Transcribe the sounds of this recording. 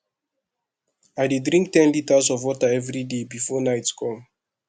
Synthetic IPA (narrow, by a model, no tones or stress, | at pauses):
ajdedɹĩŋk̚tɛ̃nlitazɔvwɔtaɛvɹidebifɔnaɪtkʰɔ̃m